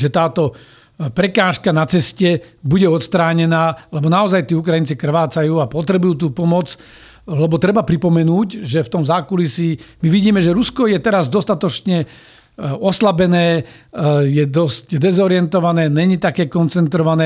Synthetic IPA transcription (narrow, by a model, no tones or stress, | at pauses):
ʒɛt̪aːt̪ɔ | pɾɛkaːʃkanat͡sɛscɛbuɟɛɔt̪st̪ɾaːɲɛnaːlɛbɔnaɔzajt̪iːukɾajint͡sikr̩ʋaːt͡sajuːapɔt̪ɾɛbujuːt̪̬uːpɔmɔd͡z | lɛbɔt̪ɾɛbapɾipɔmɛnuːcʒɛft̪ɔmzaːkulisimiʋiɟiːmɛʒɛɾuskɔjɛt̪ɛɾazd̪ɔst̪at̪ɔt͡ʃɲɛ | ɔslabɛnɛː | jɛd̪ɔscd̪ɛzɔɾɪɛnt̪ɔʋanɛːɲɛɲit̪akɛːkɔnt͡sɛnt̪ɾɔʋanɛː